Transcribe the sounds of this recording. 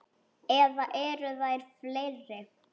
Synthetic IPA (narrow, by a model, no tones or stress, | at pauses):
ɛðaʔɛɾʏðajɾflerɛ